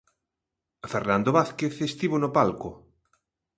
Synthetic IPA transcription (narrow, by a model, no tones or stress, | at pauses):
feɾnand̪oβaθkeθest̪iβonopalkʊ